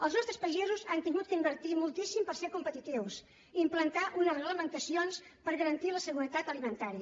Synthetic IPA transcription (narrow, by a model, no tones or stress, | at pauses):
əlˠznɔst̪ɾəspəʒɛzuzant̪iŋɡut̪̚kəimbəɾt̪imulˠt̪isimpəɾseɾkumpət̪it̪iws | iːmplənt̪aʔunərəɣləmənt̪əsionspəɾɣəɾənt̪iləsəɣuɾət̪at̪əlimənt̪aɾiə